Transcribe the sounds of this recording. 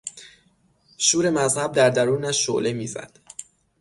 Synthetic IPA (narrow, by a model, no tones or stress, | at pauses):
ʃuːɾe̞mæzhæb̚d̪æɾd̪æɾuːnæʃːo̰ʔlemiːzæ̰d̪̥